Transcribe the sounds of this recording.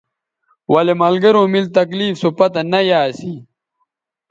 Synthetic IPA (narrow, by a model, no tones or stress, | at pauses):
wɐlemɐlɡɐɾõːmilt̪ɐkliːfsupɐt̪ɐnɐjaːsi